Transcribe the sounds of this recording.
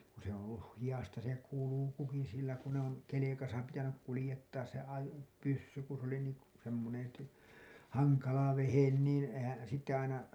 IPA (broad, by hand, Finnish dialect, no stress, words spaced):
ku se õː olːuh hij̆ɑstɑ se kulukuki silːæ ku ne on kelekɑsɑ pitænyk kulĭjetːɑːs se ɑjo pysːy ku s oli niːŋ k semːonen̞ t hɑŋkɑlɑ ʋehen niːn ehæn̞ sitːe ɑinɑ